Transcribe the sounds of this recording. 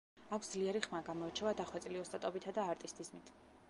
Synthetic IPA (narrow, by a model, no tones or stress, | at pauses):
akʷʰsd̪zliɛɾiχmaɡamɔɛɾt͡ʃʰɛvad̪aχwɛt̪sʼliɔst̪ʼat̪ʼɔbit̪ʰad̪aːɾt̪ʼist̪ʰʼizmit̪ʰ